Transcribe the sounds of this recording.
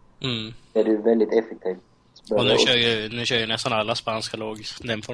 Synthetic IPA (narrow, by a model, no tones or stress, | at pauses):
m̩ːæɖʉvɛld̪ɪt̪ɛfɛk̚t̪ʰiːv | bœɔnʉʃœːɾjʏnʉ̟ːɕœːɾjənɛst̪analːaspanskaloːɡd̪ɛnfɔ